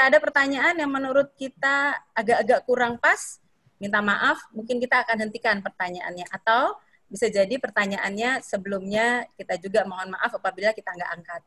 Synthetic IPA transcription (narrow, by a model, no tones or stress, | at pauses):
daːdapərt̪aɲaʔːnjaŋmənuɾʊt̪̚kit̪aːɡaʔːɡaʔkuɾaŋpas | mint̪amaʔafmuŋkɪnkit̪aːkanɦənt̪ikanpərt̪aɲaʔa̰nɲaʔat̪aw | bisad͡ʒadipərt̪aɲaʔanɲasəbəlʊmɲakit̪ad͡ʒuɡamaŋɔnmaʔafapabilakit̪aəŋɡaʔaŋkat̪̚